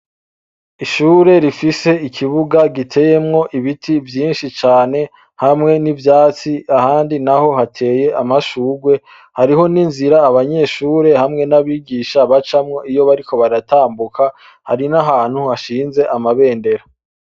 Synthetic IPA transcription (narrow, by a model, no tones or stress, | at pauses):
iʃuːɾe̞ɾifise̞ikʰiβuɡaɡitʰe̞je̞mŋo̞ʔiβitʰivjiːnʃit͡ʃaːne̞ | hamŋe̞nivjaːt͡siahaːndinaho̞ɦatʰe̞ːje̞ʔamaʃuːɡwe̞ | haɾiɦo̞ninziɾaːβaɲe̞ʃuːɾe̞hamŋe̞naβiːɡiːʃaβat͡ʃamŋo̞ijo̞βaɾiko̞βaɾataːmbukʰa | haɾinaɦaːn̥huhaʃiːnze̞ʔamaβe̞ːnde̞ɾa